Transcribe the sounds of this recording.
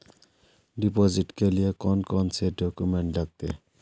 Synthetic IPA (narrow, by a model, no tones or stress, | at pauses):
ɖipɔziʈkeliekɔnkɔnseɾɖɔkumeɳʈlaɡ̚t̪e